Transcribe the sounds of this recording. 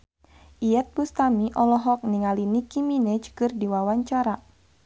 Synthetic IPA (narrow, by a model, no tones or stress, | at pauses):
ʔijɛt̪̚bust̪amiʔɔlɔɦɔk̚niŋalinikiminɛd͡ʒkɨrdiwawaɲt͡ʃaɾa